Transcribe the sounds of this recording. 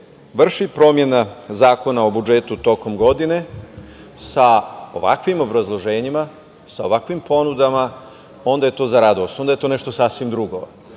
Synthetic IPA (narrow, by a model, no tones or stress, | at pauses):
ʋr̩ʃipɾo̞mje̞nazaːko̞nao̞bud͡ʒet̪ut̪o̞ko̞mɡo̞d̪ine̞ | sao̞̰ʋa̰kʋimo̞bɾazlˠo̞ʒe̞ːɲima | sao̞ʋakʋimpo̞nud̪ama | o̞nd̪aje̞t̪o̞zaɾad̪o̞st̪o̞nd̪aje̞t̪o̞neʃt̪o̞sasʋimd̪ɾuɡo̞̰